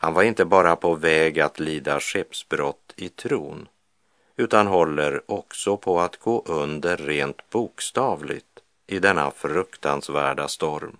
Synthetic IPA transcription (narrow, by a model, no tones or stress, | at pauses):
hanvaɾɪnt̪əbɑːɾapʰɔvɛːɡat̪ʰliːd̪aʂɛpsbɾɔt̪ːɪt̪ʰɾuːn | ʉ̟ːt̪anɦɔlːəɾɔksɔpʰɔat̪ɡ̥oːʔɵnd̪əɾːeːnt̪buːkst̪ɑːvlɪ̰ɡt̪ | ɪd̪ɛnːa̰fɾɵkt̪ansvæːɖast̪ɔɾm